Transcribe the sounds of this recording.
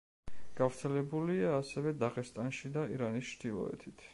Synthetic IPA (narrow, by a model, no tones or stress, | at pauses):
ɡ̥avɾt̪sʰɛlɛbuliaːsɛvɛd̪aʁɛst̪ʼanʃid̪aiɾanist͡ʃd̪ilˠɔ̰ɛ̰t̪ʰit̪ʰ